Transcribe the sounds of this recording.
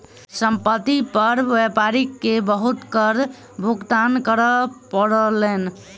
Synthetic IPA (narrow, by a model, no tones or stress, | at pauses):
səmpət̪ːipəɾʋepaɾikːebəɦut̪kəɾ | bʱuɡt̪ankəɾəpəɽəlen